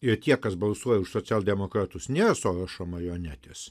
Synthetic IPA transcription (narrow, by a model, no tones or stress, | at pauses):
ɪrt̪ʲiɛkɐsbɐlˠsuɔjɛʊʃsoːt͡sʲæːlˠd̪ʲɛmoːkɾɑːt̪ʊsnʲeːɾɐsoːɾɐʃoːmɐjoːnʲæːt̪ʲes